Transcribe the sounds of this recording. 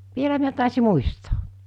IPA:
ʋielæ miæ tɑˑesi muisto̥ː

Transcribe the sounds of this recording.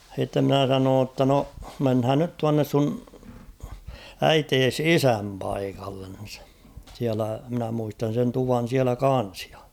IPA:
h̞itːe mnæˑ sɑnoːn tːɑ no menhæːn nyt tuɑnːes sun æiteːs isæm pɑikɑlːen̞ siælæ mɪ̆næ muistɑn̞ sen tuʋɑn̞ siælæ kɑn̞s j̊ɑ̥

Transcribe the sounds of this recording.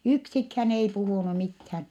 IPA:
yksikhæn ei puhuˑnu mithæn

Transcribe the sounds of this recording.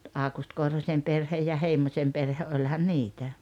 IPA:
ɑˑukust korhosʲem perhej jɑ heimosʲem perhe ʔolʲhɑn niːtæ

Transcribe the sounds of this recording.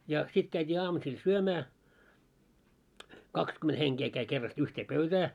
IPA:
jɑ sit kæitʲiː ɑːmusil syømæː kɑkskyment heŋkeː kæi kerːɑst yhteː pøytæː

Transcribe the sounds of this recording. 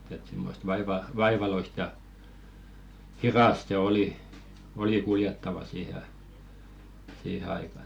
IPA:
et simːost ʋɑiʋɑ ʋɑiʋɑloist jɑ hirɑst se oli oli kuljetːɑʋɑ siːhe ɑi siːhe ɑikɑn

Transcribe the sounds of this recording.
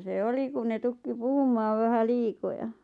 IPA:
se oli kun ne tukːi puhumˑɑːʋ ʋæhæ liːkojɑ

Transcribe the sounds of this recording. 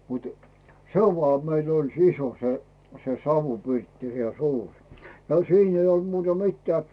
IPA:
mutu̥ se olʲ ʋoɑˑ meil olʲ siso se se sɑʋupirtːi jɑ suːr jɑ siːn ei olt̆ muːtɑ mitːĕæˑ

